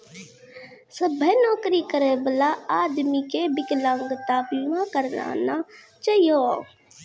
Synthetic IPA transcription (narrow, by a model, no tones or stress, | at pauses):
səbʱənɔːkɾikəɾebəlaaːd̪mikebɪklãːŋɡt̪aːpiʋãkəɾna̰ːna | t͡ʃaːɦijoː